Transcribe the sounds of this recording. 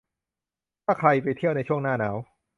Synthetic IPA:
t̪ʰaː˥˩kʰɾa˧jpa˧jt̪ʰi˥˩əwna˧jt͡ɕʰu˥˩əŋnaː˥˩naː˩˦w

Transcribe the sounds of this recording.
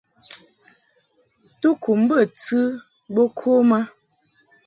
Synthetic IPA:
tu˦kʰu˨m˦bə˦˨t͡sɨ˦ | bo˦kʰo˦ma˦

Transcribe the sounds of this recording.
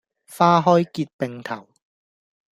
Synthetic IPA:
faː˧ɦɔ˧˥˩jki˨˩t̪̚pe˧˩ŋt̪ʰa̰˨˩˦w

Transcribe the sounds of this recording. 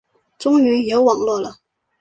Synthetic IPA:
t͡sʊ˥ŋy˧˥jo˧˥ʊwɑ˨˩ŋlwɔ˥˩lə˨

